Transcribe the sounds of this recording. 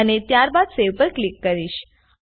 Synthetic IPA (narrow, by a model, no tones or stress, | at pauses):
ənet̪jaɾbad̪seʋpəɾklikːəɾiʃ